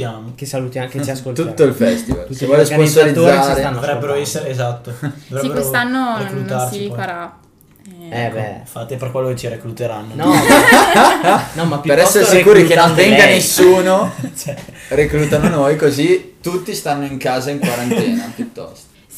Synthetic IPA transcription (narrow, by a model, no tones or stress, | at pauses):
jaːmokesalujakt͡ʃsot̪ut̪ːoilfɛst̪iva̰lukevwɔːjosponsalid̪zːaːɾeavɾɛbːeɾoɛsːeɾeezat̪ːoovɾɛbːeosanːoɾelut̪aɾt͡ʃiɔjɾa | ɛːbɛ̰fat̪ːepeɾkwelːoket͡ʃiɾeklut̪eɾanːonɔ | nɔmapjupeɾɛsːeɾessikuːɾikenont̪ɛŋɡanesːuːnot͡ʃɛrekluːt̪anonojkozit̪ut̪ːist̪anːoiŋkaːzaiŋkwaɾant̪ɛːnapjut̪ːɔ̰st̪o̥